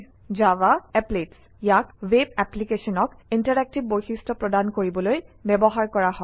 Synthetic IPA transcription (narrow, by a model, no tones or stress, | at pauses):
d͡ʒawaɛplets | jakwebɛplikesɔnɔkintaɹɛk̚tibːoɹxistɔpɹɔdankoɹibɔlojbɛbɔɦaɹkɔɹaɦɔ